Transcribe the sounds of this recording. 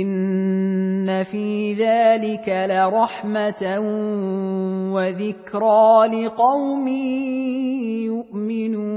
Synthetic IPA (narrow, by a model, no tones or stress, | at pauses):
ʔɪnː | afiːðaːlɪkalaɾˤɑħmat | waðɪkɾɑːlɪqɑwmiː | jʊʔmɪnuː